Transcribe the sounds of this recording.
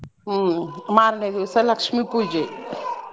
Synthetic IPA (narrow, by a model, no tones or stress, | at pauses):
maːɾned̪isɐlɐkʃmipud͡ʒe